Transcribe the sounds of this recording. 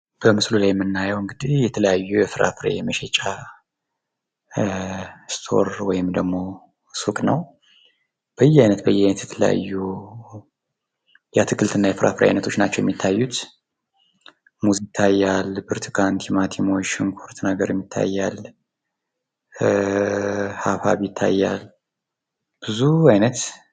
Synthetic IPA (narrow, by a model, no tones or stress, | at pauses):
b̥əmɨslulajɛmːɨnːajəwɨŋɡɨd̪ihjɛt̪ʰələjajːujɛfɨɾʔa̰fɨɾḛməʃɛt͡ʃʼa | st̪ʰo̞̰ɾwɔjɪmd̪əɡmo̞ | sukʼnəw | b̥əjːɛhajnət̪bəjːɛhajnət̪jɛt̪ʰələja̰jːu | jat̪ʰɨkʰʼɨlt̪ɨnːajɛfɨɾʔafɾa̰jajnət̪ʰot͡ʃːnat͡ʃːɛwjɛ̰mːit̪ʰːajːut̪ | muzt̪ʰːajːalbɨɾt̪ʰkʰant̪ʰimat̪ʰimoʃɪŋkʰoɾt̪naɡəɾjɛmːit̪ʰːa̰jːal | hafa̰βjɪt̪ʰːa̰jːal | b̥ɨzuajnət̪